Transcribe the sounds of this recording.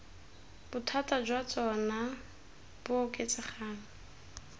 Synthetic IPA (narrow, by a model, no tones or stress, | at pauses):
b̥ʊtʰatʼad͡ʒwat͡sʼɔna | b̥ʊkʼet͡sɪχaːna